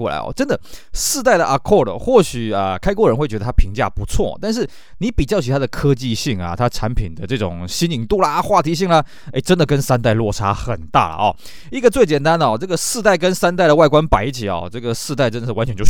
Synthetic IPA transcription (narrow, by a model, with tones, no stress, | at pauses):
wɔ˥˩la̰˥ɪɔ̰˩ʈ͡ʂə˦˥nd̪ə˨˩˨sɹ̩˥˧t̪a˥˩ɪd̪ə˨ʔa˨˩kʰɔ˥˩lə̰˨˩xwɔ˥˩ɕy˨˩ə˩kʰa˥ɪkwɔ˥˩ɻə˧˥nxwɪt͡ɕɥɛ˧˥d̪ə˩t̪ʰa˥pʰi˧˥ŋt͡ɕja̰˥˩pu˧˥t͡sʰwɔ̰˥˩˨t̪a˥˧nʂ̬ɻ̩˥˩ | ni˧˥pi˨˩t͡ɕjɑ˥˩ʊt͡ɕʰy˨˥t̪ʰa˥ə˨kʰɤ˥t͡ɕi˥˧ɕi˥˩ŋɐ̰˨˩t̪ʰa˥ʈ͡ʂʰa˧˥npʰi˨˩nd̪ə˦ʈ͡ʂɤ˥˩ʈ͡ʂʊ̰˨˩ŋɕi˥ni˨˩ŋt̪u˥˩lɐ˨xwa˥˩t̪ʰi˧˥ɕ̬i˥˩ŋlə˨˩ | e˥˩ɪʈ͡ʂə˦˥nd̪ə˨kə˦˥nsa˥nt̪a˥˧ɪlwɔ˥˩ʈ͡ʂʰa˥xə˨˩nt̪a̰˥˩lə̰˩ɔ̰˩ | i˥ɡə˨˩t͡swe˥˩ɪt͡ɕjɛ˨˩nt̪a˥nd̪ə˨˩ɔ˨˩ʈ͡ʂɤ˥˩ɡə˩sɹ̩˥˧t̪̬a˥˩ɪkə˦˥nsa˥nt̪̬a˥˩ɪɾə˩wa˥˩ɪkwa˥npa˨˩ɪi˥˩t͡ɕʰi˨˩ɔ̰˨˩ʈ͡ʂɤ˥˩ɡə˩sɹ̩˥˧t̪a˥˩ɪʈ͡ʂə˥nd̪ə˨ʂ̩˧˩wa˧˥nt͡ɕʰɛ˧˥nt͡ɕo˥˧˩